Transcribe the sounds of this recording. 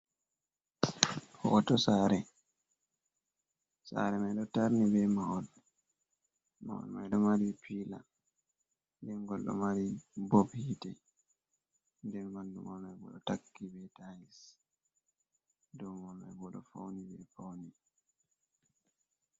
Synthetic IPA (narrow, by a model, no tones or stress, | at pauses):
hɔ̰tɔsaːɾɛ | sa̰ɾɛmajɗɔtaɾnibɛmawɔl | mawɔ̰lma̰jɗɔmaɾipʰila̰ | dɛŋɡɔlɗɔ̰maɾibɔbhitɛ | ndɛnbandumɔlmajbɔ̰ɗɔtakːibɛtalis | dɔwmɔlma̰jbɔɗɔ̰fa̰wnibɛfawni